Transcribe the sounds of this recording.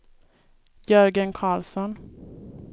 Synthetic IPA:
jɵɾɡənkʰɑːlsɔn

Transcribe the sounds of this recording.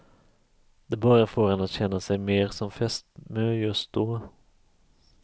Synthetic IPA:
d̪̥ɛbɑːɾafoːɾhɛnːat̪ɕɛnːasɛjmeːɾsɔmfɛst̪møːjɵst̪̚d̪̥ɔː

